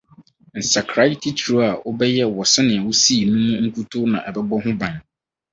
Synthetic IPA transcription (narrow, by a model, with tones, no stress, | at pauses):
n̩˨sa˨kʰɾa˦tʰi˦tʰu˨ɾa˨ʔʊ˦bɛ˦jɛ˦wɔ˨sɪ˦nɪ̃˨ɛ˨wʊ˦si˦˨nũ˦mũ˦ŋ̩˦kʰu˦tʰo˦nã˨ʔɛ˨bɛ˦bɔ˦ɦʊ̃˦bã˨ɲ